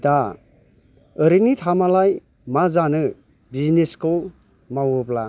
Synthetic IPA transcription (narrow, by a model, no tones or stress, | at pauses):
da | əɾɯnit̪ʰamalaj | mazanɯ | bizneskɯw | mawɯpla